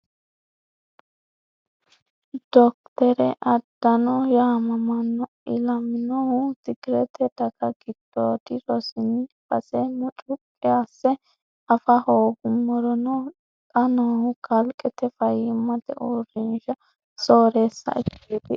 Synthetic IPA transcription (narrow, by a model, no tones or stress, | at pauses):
d̪̥ɔk̚t̪ɛɾɛʔɐd̪ːɐnɔjamɐmɐnːɔ | ɪlɐmɪnɔhʊt̪ɪɡɪɾɛt̪ɛd̪ɐɡɐɡɪd̪̥ːoːd̪ɪɾɔsɪnɪb̥ɐsʼɛmɔt͡ʃʼʊpʼːɛasːɛ | ɐfɐhoːɡʊmːɔɾɔnɔ | kʼɐnohʊɡɐlkʼɛt̪ɛfɐjɪmːɐt̪ɛ̰ʔurɪnʃɐ | soːɾeːsːɐ̰ʔɪkːeːd̪ɪ